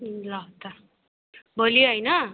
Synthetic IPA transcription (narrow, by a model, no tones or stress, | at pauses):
lʌwt̪ʌ | bʱʌlijoɦʌjnʌ